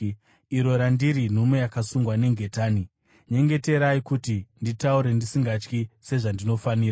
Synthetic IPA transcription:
iɾo̞ɾandiɾin̤ume̞jakasuŋɡwane̞ŋɡʱe̞taːni | ɲe̞ŋɡe̞te̞ɾaikutinditauɾe̞ndisiŋɡat͡ʃkise̞ʐandino̞faniːra

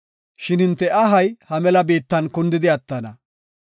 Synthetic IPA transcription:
ʃɪnɪnt̪ːɛʔɐɦɐjhɐmɛlɐbeːt̪ːɐnkʊnd̪ɪd̪ɪɐt̪ːɐnɐ

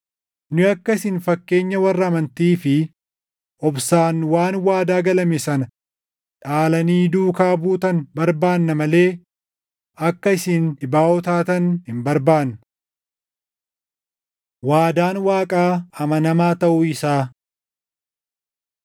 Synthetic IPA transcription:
nʊɐkːɐɪsɪnfɐkːe̞ːɲːɐwɐrːɐːmɐnt̪iːfɪ | ʔɔbsaːnwaːnwaːd̪aːɡɐlɐmesɐnɐ | ᶑaːlɐniːd̪uːkaːbuːt̪ɐnbɐɾbaːnːɐmɐle̞ː | ɐkːɐɪsɪnɪbaːʔɔt̪aːt̪ɐnhɪmbɐɾbaːnːɐ | waːd̪aːnwaːkʼaːɐmɐnɐmaːt̪ɐʔʊɪsaː

